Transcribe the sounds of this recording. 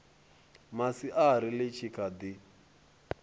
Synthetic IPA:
masiʔaɾilet͡ʃʰikʰad̪i

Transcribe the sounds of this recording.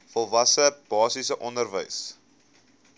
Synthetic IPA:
fɔlˠvɐsəb̥ɑːsisəʔɔndərvə̰js

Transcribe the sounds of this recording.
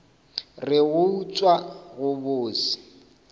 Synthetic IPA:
rɪɣʊut͡sʼwaɣʊbʊːsɪ̥

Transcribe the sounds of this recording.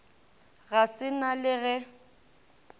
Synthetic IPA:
ɣasɪnalɪɣɛ

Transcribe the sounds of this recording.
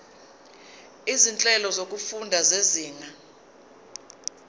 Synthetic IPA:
izint͡ɬʼɛlɔzok̬ʼufundʱazeziːŋa

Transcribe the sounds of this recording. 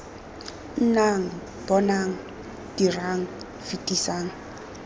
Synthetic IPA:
n̩naŋ̩ | b̥ɔnaŋ̩ | d̥iraŋ̩ | fitʼisaːŋ̩

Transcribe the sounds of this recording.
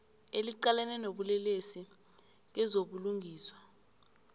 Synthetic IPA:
eliǃalɛnɛnoɓulɛlesi | k̬ɛzoɓuluŋɡʱiːswḁ

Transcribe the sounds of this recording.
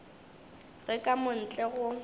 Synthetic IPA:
ɣɛkʼamʊn̩t͡ɬʼɛɣʊ

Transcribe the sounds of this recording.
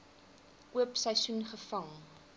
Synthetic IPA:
ʔuəpsɛjsunχəfɐŋ

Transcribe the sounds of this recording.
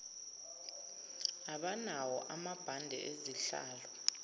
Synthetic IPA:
aɓanawɔʔamab̥ʱandʱɛ̰ʔeziɬa̰ːlɔ

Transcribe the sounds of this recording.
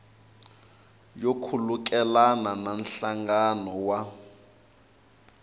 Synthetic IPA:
jokʰuluk̬ʼɛlanananɬaŋɡanɔwa

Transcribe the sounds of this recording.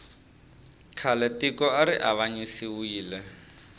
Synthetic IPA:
kʰalɛtikɔaɾiʔaβaɲisiwiːlɛ

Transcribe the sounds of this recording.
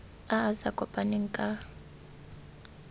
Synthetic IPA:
aːsakʼɔpʼaniŋ̩kʼa

